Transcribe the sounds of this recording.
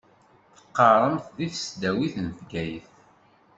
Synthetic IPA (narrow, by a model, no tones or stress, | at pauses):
θə̥qːɑɾˤəmθðiθəsd̪æwiθənθɡæjəθ